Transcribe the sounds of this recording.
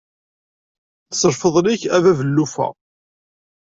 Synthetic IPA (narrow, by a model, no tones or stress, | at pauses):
θsəɾfəðˤliçævævəlːufæ̰